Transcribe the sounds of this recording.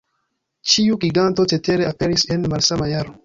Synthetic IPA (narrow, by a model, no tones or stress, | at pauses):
t͡ʃiuɡiɡant̪o̞t͡seteɾeapeɾisenmalsamajaɾo